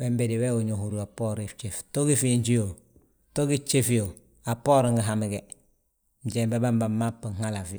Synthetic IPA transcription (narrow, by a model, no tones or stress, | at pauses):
wembediweuɲohuɾuapoɾet͡ʃeftoɡifiɲd͡ʒijo | toɡit͡ʃefijo | apːoːɾŋɡiɦamiɡe | ɲɟembebambamːapːiŋhalafi